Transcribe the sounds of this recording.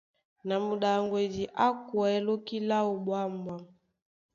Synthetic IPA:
na˨mu˨ɗa˨ŋɡwe˨di˨ʔa˦kwɛ˨˦lo˦ki˦la˦u˨ɓwa˦mbwa˦

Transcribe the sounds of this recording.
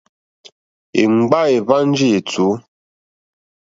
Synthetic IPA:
ḛ˨ŋ͡m̩˨ɡ͡ba˦e˨va˦n̩˦d͡ʒi˦e˨t͡su˨˦

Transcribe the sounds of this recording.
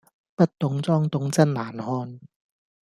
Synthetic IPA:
pɐ˥t̚t̪ʊ˨˥ŋt͡sɔː˥ŋt̪ʊ˨˥ŋt͡sɐ˥n̚laː˨˩nhɔː˧n

